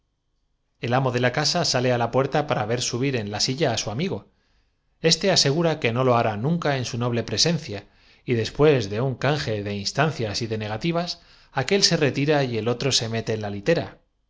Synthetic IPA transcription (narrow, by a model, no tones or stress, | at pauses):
e̞lamo̞ð̞e̞lakasasale̞alapwe̞ɾt̪apaɾaβe̞ɾsuβ̞iɾe̞nlasiʎaːsuamiɣ̞o̞ | e̞st̪e̞ase̞ɣ̞uɾake̞no̞lo̞aɾanũŋkae̞nsuno̞β̞le̞pɾe̞se̞nθja | iðe̞spwe̞zðe̞uŋkaŋxe̞ðe̞inst̪anθjasiðe̞ne̞ɣ̞at̪iβ̞as | ake̞lse̞re̞t̪iɾaie̞lo̞t̪ɾo̞se̞me̞t̪e̞ːnlalit̪e̞ɾa